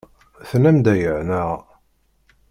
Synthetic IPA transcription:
θnæmd̪æjəʕnəʁ

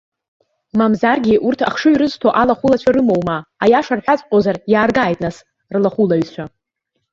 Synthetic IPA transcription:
mamzarɡʲiʔurtʰa̰χʂɨɥɾɨztʰoʔalaχulat͡ɕʷʰaɾɨmowmaajaʂarħʷᶣat͡sʼqʲʼozarjaːrɡaːjtʼnas | rlaχulaɥt͡ɕʷʰa

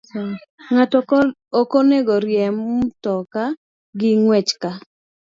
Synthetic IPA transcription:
ŋatɔ | okoneɡɔɾjɛmtɔka | ɡɪŋwɛt͡ʃka

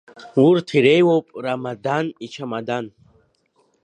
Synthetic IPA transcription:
uɾt̪ʰiɾɛjwɔpʼɾamad̪anit͡ʃʰamad̪an

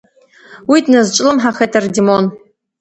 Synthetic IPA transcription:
witʰʼnɨzt͡ʃʷʼɪlɨmħaχetʰʼɐrdimon

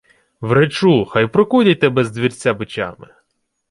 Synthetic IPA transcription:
ʋɾet͡ʃuxajpɾɔkudʲɐjʲt̪ɛbɛzd̪ʋʲirʲt͡sʲabɪt͡ʃa̰mɪ

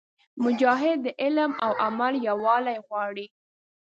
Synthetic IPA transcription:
mʊd͡ʒɑɦɪd̪̚ːəʔɪlmawʔamaljawɑlajɣwɑɽi

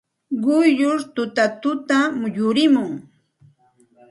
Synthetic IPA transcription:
ɢʊjʎʊɾt̪ʊt̪at̪ʊt̪amjʊɾɪmʊŋ

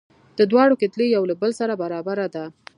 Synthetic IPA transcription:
d̪̥əd̪wɑɽokɪt̪lejawlabəlsaɾabaɾɑbaɾad̪a

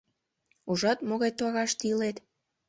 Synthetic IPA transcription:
uʒɑt̪moɣɑjt̪oɑɣɑʃt̪ilet̪

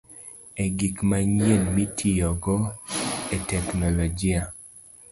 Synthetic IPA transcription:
eɡikmaɲjenmitʰijɔɡɔetɛknɔlɔd͡ʒia

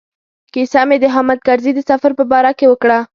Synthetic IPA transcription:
kisɑmed̪əɦamad̪̚kaɾzid̪əsafaɾpəbɑɾakewəkɽa

